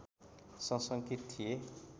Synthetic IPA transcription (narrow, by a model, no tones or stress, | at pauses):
sʌ̃sʌŋkit̪t̪ʰːije